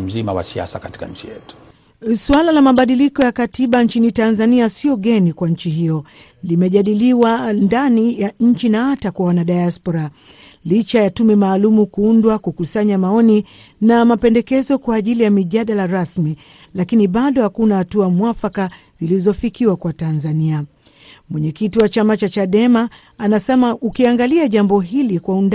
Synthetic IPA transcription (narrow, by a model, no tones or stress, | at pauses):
m̩zimawa̰sia̰sakati̥ka̰ɲ̩t͡ʃijɛ̰tu̥ | swalalamaɓaɗilikɔjakatiɓant͡ʃinitanzaniasiɔɠɛnikwaɲ̩t͡ʃiɦijɔ | limɛʄaɗiliwandanijaɲ̩t͡ʃinahatakwawanaɗajaspɔɾa | lit͡ʃajatumɛmaːlumukuundwakukusaɲamaɔni | namapɛndɛkɛzɔkwaːʄilijamiʄaɗalaɾasmi | lakiniɓaɗɔhakunahatuamwafaka | z̥ilizɔfikiwakwatanzania | mwɛɲɛkitiwat͡ʃamat͡ʃat͡ʃaɗɛmaː | nasɛmaʔukiaŋɡaliaʄambɔɦilikwaund